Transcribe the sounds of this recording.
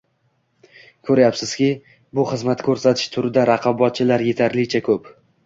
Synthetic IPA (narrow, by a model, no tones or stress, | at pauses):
kʲʰɵɾajapsɪz̥kʲɪ | bʊχɨzmat̪kʲʰɵɾsat̪ʰɪ̥ʃt̪ʰʊɾɪd̪aɾɑqʰɑbɒt̪̚t͡ʃʰɪlaɾje̞t̪ʰaɾlɪt͡ʃʰakʲʰɵp